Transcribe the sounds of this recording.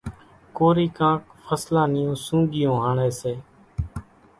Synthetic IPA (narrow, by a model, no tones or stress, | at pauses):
koːɾiːkãːkfʰəslãːnɪjõːsũːɠɪjõːɦaːɳeːseː